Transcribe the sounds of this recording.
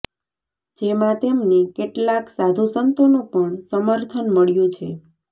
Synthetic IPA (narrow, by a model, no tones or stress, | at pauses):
d͡ʒemãt̪emnekeʈlaksad̪ʱusənt̪onũpəɳsəməɾt̪ʰənməɭjũt͡ʃʰe